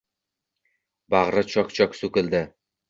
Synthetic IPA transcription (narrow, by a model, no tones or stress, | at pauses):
baʁɾɪt͡ʃʰɒkt͡ʃʰɒksʊkʲɪld̪ɪ